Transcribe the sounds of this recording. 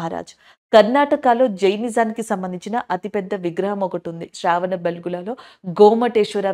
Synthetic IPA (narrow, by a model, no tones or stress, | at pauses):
ɦaːɾa̰ːd͡ʒu̥ | kɐɾnaːʈɐkaːlo̞ːd͡ʒɐjnizaːnikisɐmbɐnd̪iɲt͡ʃinɐʔɐt̪ipɛd̪ːɐʋiɡɾɐɦɐmɔkɐʈund̪iʃɾaːʋɐnɐbelɡulaːlo̞ːɡoːmɐʈeːʂɐɾaː